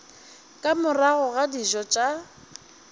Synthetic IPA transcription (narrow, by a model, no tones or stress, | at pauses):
kʼamʊraɣɔɣadiʒɔt͡ʃʼa